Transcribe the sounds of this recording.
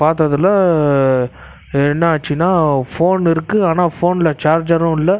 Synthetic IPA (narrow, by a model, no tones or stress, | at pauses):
paːɾt̪ɐðɪlːɐ | ɛnːɐaːt͡ʃːinːaːfoːnɪɾɯkːɯaːnaːfoːnɪlɐt͡ʃaːɾd͡ʒɐɾʊ̃ɪlːɐ